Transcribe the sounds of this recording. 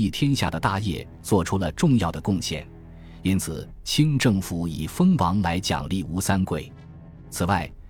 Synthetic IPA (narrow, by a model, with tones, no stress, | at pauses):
i˥˩t̪ʰjɛ˥nɕja̰˥˩d̪ə˩t̪a˥˧jɛ̰˥˩ | t͡swɔ˥˩ʈ͡ʂʰu˥lə˨ʈ͡ʂʊ˥˧ŋjɑ˥˩ʊd̪ə˩kʊ˥˧ŋɕjɛ̰˥˩n | i˥nt͡sʰɹ̩˨˩ | t͡ɕʰi˥nʈ͡ʂɤ˥˩ŋfu˨˧˩i˨˩fə˥ŋwɑ˧˥ŋla˧˥ɪt͡ɕjɑ̰˨˩ŋli˥˩u˧˥sa˥nkwe˥˩ɪ | t͡sʰɹ̩˨˩wa˥˩ɪ